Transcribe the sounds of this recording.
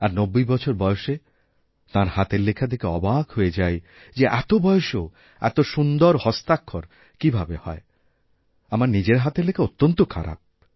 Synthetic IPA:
aɾnobːojbɔt͡ɕʰoɾbɔjoʃe | t̪ãɾhat̪eɾlekʰad̪ʰekeɔbakɦoed͡ʑaj | d͡ʑeʔɛt̪obɔjoʃo | ɛ̰t̪oʃund̪oɾhɔst̪akʰːoɾ | kibʱabehɔ̰e | amaɾnid͡ʑeɾɦat̪eɾlekʰaot̪ːont̪okʰa̰ɾa̰p̚

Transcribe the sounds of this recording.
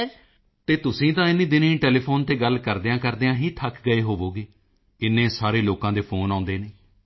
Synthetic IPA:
t̪eːt̪ʊsĩːt̪ãːɪnːĩːd̪ɪnĩːʈeːleːpʰoːnt̪eːɡəlkəɾd̪eːãːkəɾd̪eːãːɦiːt̪ʰəkʰɡəeːɦoːʋoːɡeː | ɪnːẽːsaːɾeːloːkãːd̪eːpʰoːnãːʊnd̪eːneː

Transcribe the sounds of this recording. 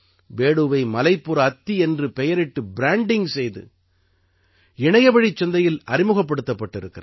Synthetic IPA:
ʋeːɽuʋɐɪmɐlɐɪpːɯɾɐːt̪ːiɛndrɯpɛjɐɾɪʈːɯbɪɾaːɳɖɪŋsɛjðɯ̰ | ɪɳɐjɐbɐɽit͡ʃːɔnd̪ɐjɪlɐɾɪmɯɣɐpːɐɽɯt̪ːɐpːɐʈːɪɾɯkːɪɾɐ

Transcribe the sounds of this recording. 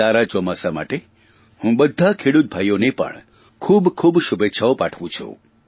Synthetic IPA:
aɾat͡ʃɔmasama̰ʈe | hũbəd̪ʱːakʰeɽut̪̚bʱajonepə̰ɳ | kʰuːbkʰubʃubetːʃʰaopaʈʰʋũt͡ʃʰṵ̃

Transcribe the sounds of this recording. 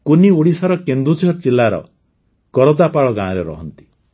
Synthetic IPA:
kuniuɽisaɾɔkend̪ɾud͡ʒʱɔt͡ʃilːaɾɔ̰ | kɔɾɔd̪apaɭɔɡãɔɾeɾɔ̰ɦɔnt̪i̥

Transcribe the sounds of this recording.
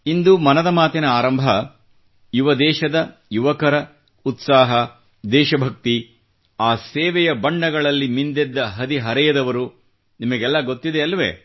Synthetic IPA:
ind̪umɐnɐd̪ɐmaːt̪inɐaːɾɐmbʱɐ | juʋɐd̪ɛːʃɐd̪ɐ | juʋɐkɐɾɐ | ut̪saːɦɐ | d̪ɛːʃɐbʱɐk̚t̪i | aːseːʋɛjɐbɐɳɖɐɡɐɭɐlːimind̪ɛd̪ːɐɦɐd̪iɦɐɾɛjɐd̪ɐʋɐɾu | nimɐɡɛlːɐɡot̪ːid̪eɐlːʋḛ

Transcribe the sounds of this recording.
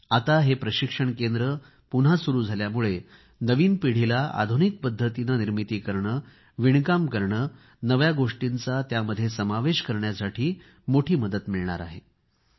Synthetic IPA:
at̪aɦepɾəɕikʂəɳkend̪ɾə | pun̤asuɾuːd͡zʱaljamuɭe | nəʋiːnpiɽ̤ilaʔa̰d̪ʱunik̚pəd̪ʱːət̪inaniɾmit̪iːkəɾɳə | ʋiɳkamkəɾɳə | nəʋjaɡoʂʈint͡sat̪jaməd̪ʱːjesəmaʋeɕkəɾɳjasaʈʰiː | moʈʰiːməd̪ət̪miɭɳa̰ɾa̰ɦe

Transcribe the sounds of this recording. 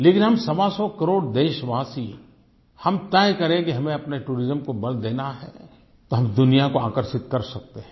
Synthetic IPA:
leːkɪnɦɐmsɐʋasɔkɐɾoːɽd̪eːʃʋaːsi | hɐmt̪ɛːkɐɾẽkiɦɐmẽɐpneʈuːɾɪzəmkobɐld̪eːnaɦɛ̰ | t̪oɦɐmd̪ʊnijakoaːkəɾʃɪt̪kɐɾsɐk̚t̪eɦɛ̃

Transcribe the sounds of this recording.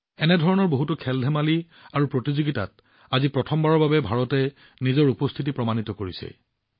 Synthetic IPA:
ɛnɛdʱɔɹɔnɔɹboɦutʊkʰɛldʱɛmali | aɹupɹotizuɡita̰t̚ | azipɹɔtʰɔmbaɹɔɹbabɛbʱaɹɔtɛ | nizɔɹupɔstʰit̬ipɹɔmanitɔkoɹisɛ̰

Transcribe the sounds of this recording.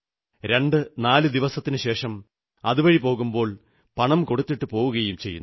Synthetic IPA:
ɾe̞ɳɖɨnaːlɨd̪iʋɐsɐt̪ːinɨɕe̞ːʂɐm | ɐðuʋɐɻipo̞ːɣumbo̞ːɭ | pɐɳɐmko̞ɽut̪ːiʈːɨpo̞ːʋuɣɐjumt͡ɕe̞jːunː

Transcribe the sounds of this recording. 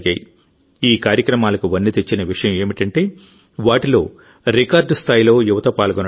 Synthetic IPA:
ɡa̰ːji | iːkaːɾjɐkɾɐmaːlɐkuʋɐnːit̪e̞t͡ʃːinɐʋiʂɐjɐme̞ːmiʈɐɳʈe̞ː | ʋaːʈilo̞ː | ɾikaːɾɖst̪ʰaːjilo̞ːjuʋɐt̪ɐpaːlɡɐn

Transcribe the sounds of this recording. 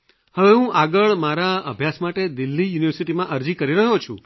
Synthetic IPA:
həʋeɦũʔaɡəɭmaɾaə̰bʱjasmaʈed̪ilːijuniʋəɾsiʈimãʔəɾd͡ʒikəɾiɾəɦot͡ʃʰṵ̃

